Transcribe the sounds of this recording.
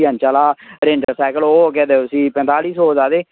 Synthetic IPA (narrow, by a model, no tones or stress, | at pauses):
ə̃ːnt͡ʃaːlaːɾẽɳɖəɾsaːkəloːokɛːd̪esĩːpɛ̃nt̪aːliːsoːd͡ʒaːd̪eː